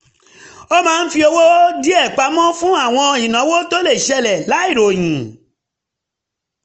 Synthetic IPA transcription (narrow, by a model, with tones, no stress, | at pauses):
o˦mãː˦˧˦n̩˦fi˧o˧wo˦di˦ɛ˦˨k͡pa˧˦mɔ̃˦fũ˦a˦˨w̃ɔ̃˧i˨nã˨˦wo˦to˦le˦˨ʃɛ˧lɛ˨la˨˦i˦˨ɾo˨j̃ĩ˨